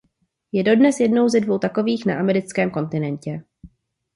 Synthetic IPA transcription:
jɛdo̞dnɛsjɛdno̞wzɛdvo̞wt̪ako̞viːxnaʔamɛɾɪt͡skɛːmko̞nt̪ɪnɛncɛ

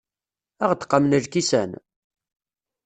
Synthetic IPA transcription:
æʁət̪ə̥qːɑmnəlkisæ̰n

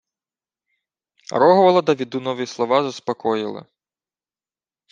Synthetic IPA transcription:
ɾɔɦɔʋɐlˠɐd̪ɐʋʲid̪unɔʋʲislˠɔʋɑzɐspɔkɔjɪlˠɪ̰

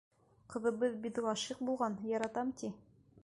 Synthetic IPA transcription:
qɤ̆ðɤ̆βɤðbid̪lˠɑʃiq̚bulˠʁɑnjɒɾɑt̪ɑmt̪i

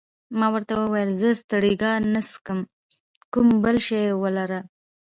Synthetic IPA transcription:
mɑwəɾt̪awəwajəlzəst̪əɽiɡɑnaskəm | kumbəlʃejwəlaɾa

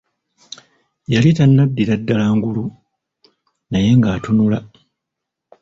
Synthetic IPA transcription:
jalitanːadːiɾadːalaːŋɡulu | naje̞ŋɡaːtunula

